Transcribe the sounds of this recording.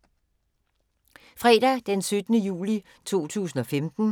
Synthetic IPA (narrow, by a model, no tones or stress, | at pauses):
fʁɛːd̥æd̥ensød̥ənəjṵːli | t͡sʰo̝̰ːt͡sʰṵːsn̩ɒ̽femd̥n̩